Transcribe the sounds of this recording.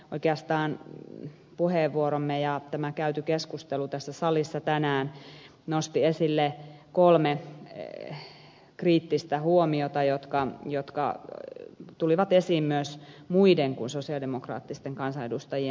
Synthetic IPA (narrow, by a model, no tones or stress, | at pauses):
oikeɑst̪ɑːn | puheːʋːuoɾomːejɑt̪æmækæyt̪ykeskust̪elut̪æsːæsɑlisːɑt̪ænæːn | nost̪iesilːekolme | kriːt̪ːist̪æhuomiot̪ɑjot̪kɑjot̪kɑ̰ | t̪uliʋɑt̪esiːmmyøsmuideŋkunsosiɑdemokrɑ̰ːt̪ːist̪eŋkɑnsɑedust̪ɑjie